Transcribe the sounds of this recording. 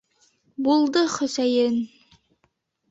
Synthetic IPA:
bulˠd̪ɤχɵ̆sæjɘn

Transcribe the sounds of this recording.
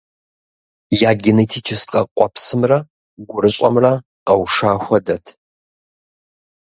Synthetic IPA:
jaːɡʲɪnetʰiːt͡ʃʰɪsqʼɐqʷʼɔpsɨmrɐ | ɡʷʊɾɨɕʼɐ̰mrɐ | qɐwʂaːxʷɐdɐtʰ

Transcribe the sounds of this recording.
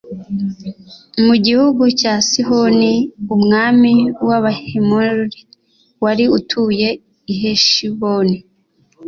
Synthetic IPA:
muɟihuɡucaːsihoniumŋaːmiwaβahimoɾɾi | waɾiutʰuje̞ | iɦeʃiβoni

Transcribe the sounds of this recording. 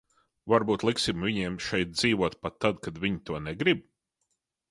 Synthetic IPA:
vaɾbuːt̪lˠiksimvʲiɲiɛmʃɛjt̪̚d̪z̥iːvuɔt̪pat̪ːad̪kad̪vʲiɲt̪uɔnɛɡɾib̚

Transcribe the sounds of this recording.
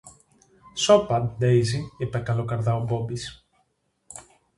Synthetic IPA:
sopɐnd̪ejziipekɐlokɐɾðɐobobis

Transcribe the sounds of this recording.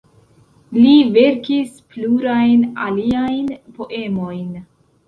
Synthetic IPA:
live̞ɾkispluɾajnaliajnpo̞ʔe̞mo̞jn

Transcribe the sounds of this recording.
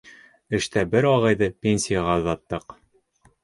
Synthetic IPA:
ɘ̆ʃt̪æbɘɾɒʁɑjðɤpʲenʲsʲijaʁɑŏðɑt̪ːɤq

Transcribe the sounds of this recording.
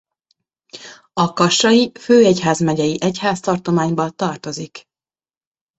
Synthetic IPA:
ɒkɒʃɒjiføːɛcɦaːzmɛɟɛjiʔɛchaːst̪ɒrt̪o̞maːɲbɒt̪ɒrt̪o̞zik

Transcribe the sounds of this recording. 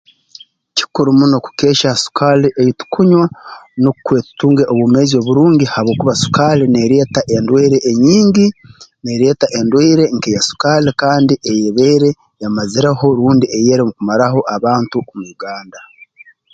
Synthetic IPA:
ci̥kuɾumuno̞ku̥ke̞ːʃasu̥kʰaleʔejitu̥kʰuɲwanokukwe̞ːtu̥tuːŋɡeʔoβume̞zio̞ːβuɾuːɲɟihaβo̞ːkuβasu̥kalene̞ɾeːtaʔendweːɾeʔːɲiːɲɟine̞ɾe̞ːtaʔendweːɾe̞ŋkejasu̥kalekaːndiʔejeβeːɾe̞ | jamaziɾeho̞ɾuːndiʔejeːɾemukumaɾaɦo̞ʔaβaːntuomuuɡaːnda

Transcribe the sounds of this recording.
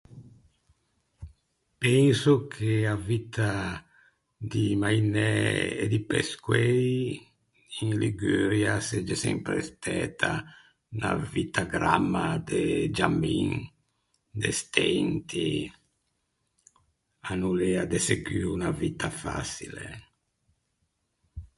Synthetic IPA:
pɛnsokʰeavit̪ʰa | d̪imainɛḛd̪ipeskwɛj | iŋliɡyɾjased͡ʒesɛ̰mpɾest̪ɛːt̪ʰa | na̰vit̪aɡɾamːad̪ed͡ʒamin | d̪est̪ʰɛnt̪i | anulɛad̪eseɡiːunavit̪ʰafa̰silḛ

